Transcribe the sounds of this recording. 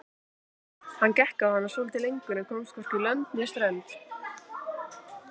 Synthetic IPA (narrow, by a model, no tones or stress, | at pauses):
hancɛhkaðhanːaɾsoːlɪt̪ɪlejŋkʏɾnɛkʰoːwmskʰvɔɾ̥cʏlœnt̪njɛst̪ɾɛnt̪